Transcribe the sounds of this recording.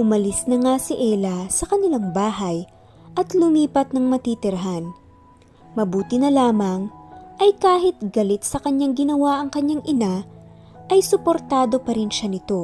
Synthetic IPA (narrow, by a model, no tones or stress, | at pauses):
ʔʊmɐlɪsnɐŋasɪʔɛlɐsɐkɐnɪlaŋbaːɦɐj | ʔɐt̪lʊmiːpɐt̪̚nɐŋmɐt̪it̪ɪɾɐɦan | mɐbuːt̪ɪnɐlaːmɐŋʔɐjkaːɦɪt̪̚ɡɐlɪt̪̚sɐkɐɲːaŋɡɪnɐwaʔɐŋkɐɲːaŋʔɪna | ʔɐjsʊpo̞ɾt̪aːd̪o̞pɐɾɪnʃanɪt̪o̞